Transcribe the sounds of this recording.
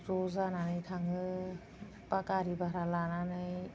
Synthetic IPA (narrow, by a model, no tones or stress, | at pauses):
zɔzananɯjtʰaŋɯ | pakaɾibaɾalananɯj